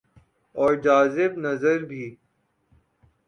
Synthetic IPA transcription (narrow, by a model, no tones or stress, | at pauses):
ɔːɾd͡ʒaːzɪbnɐzəɾbʱiː